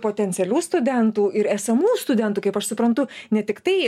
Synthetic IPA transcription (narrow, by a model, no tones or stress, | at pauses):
poːt̪ʲɛnʲsʲɛlʲuːst̪ʊd̪ʲɛnt̪uːɪɾæːsɐmuːst̪ʊd̪ʲɛnt̪uːkɐɪpɐʃsʊpɾɐnt̪ʊnʲɛt̪ʲɪkt̪ɐɪ